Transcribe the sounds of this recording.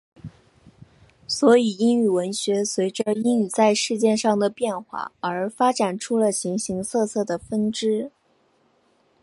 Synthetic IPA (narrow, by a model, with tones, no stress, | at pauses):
swɔ˧˥i˨˩i˥ŋy˥˩wə˧˥nɕɥɛ˧˥swe˧˥ɪʈ͡ʂə˧i˥ŋy˥˩t͡sa˥˧ɪʂɻ̩˥˧t͡ɕjɛ˥˧nʂɑ˥˩ŋd̪ə˩pjɛ˥˧nxwa̰˥˩ə˞˧˥fa˥ʈ͡ʂa˨˩nʈ͡ʂʰu˥lə˨ɕi˧˥ŋɕi˧˥ŋsʰɤ˥˧sʰɤ˥˩d̪ə˩fə˥nʈ͡ʂɻ̩˥